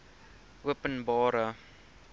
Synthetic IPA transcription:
ʔuəpənbɑːɾə

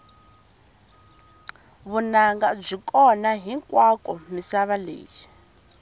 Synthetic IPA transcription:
βunaŋɡab͡ʐʷikʼɔnaɦiŋkʼwakʼɔmisaβalḛːd͡ʒi

